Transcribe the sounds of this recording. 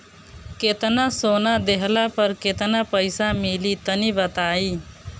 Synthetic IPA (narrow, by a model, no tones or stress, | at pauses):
kɪt̪nasoːnad̪eɦlapəɾkɪt̪napəɪsamɪlit̪ənibət̪aːiː